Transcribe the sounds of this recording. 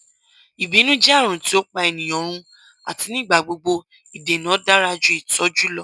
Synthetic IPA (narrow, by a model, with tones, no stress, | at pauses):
i˨bi˨˦nũ˦d͡ʒɛ˦a˦˨ɾ̃ũ˨ti˨˦o˦k͡pa˧ɛ˨nĩ˨j̃ɔ̃˨˦ɾ̃ũ˧ | a̰˨ti˨˦nĩ˦˨ɡ͡ba˨ɡ͡bo˧ɡ͡bo˧ | i˨de˨nã˨˦da˦ɾa˦d͡ʒu˦i˦˨tɔ˦d͡ʒu˦lɔ˦